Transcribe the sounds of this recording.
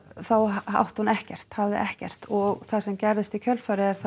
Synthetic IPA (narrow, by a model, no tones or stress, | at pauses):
θawha̰wht̪hunɛhcɛr̥t̪havðɪ̰ʔɛhcɛr̥t̪ɔɣθasɛmcɛɾðɪst̪icʰœlfaɾɪɛɾ̥θ